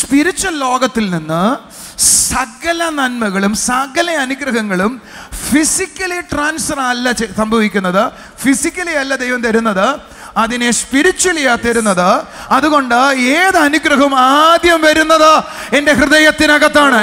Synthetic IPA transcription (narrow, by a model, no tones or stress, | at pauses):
spiɾit͡ɕːwɐlːo̞ːɡɐt̪ːilninːɨ | sɐɡɐlɐnɐnmɐɣɐɭumsɐɡɐlɐɐnuɡrɐɦɐŋːɐɭumfisikʲːɐliʈraːnsfɐrɐlːɐt͡ɕsɐmbʱɐʋikʲːunːɐðɨ | fisikʲːɐliɐlːɐd̪e̞jʋɐmt̪ɐɾunːɐðɨ | ɐðinespiɾit͡ɕːuwɐlijaːt̪ːɐɾunːɐðɨɐðuɣo̞ɳɖɨeːðɨɐnuɡrɐɦɐmaːd̪jɐmʋɐɾunːɐðɨe̞nde̞ɦrɨðɐjɐt̪ːinɐɣɐt̪ːaːɳɨ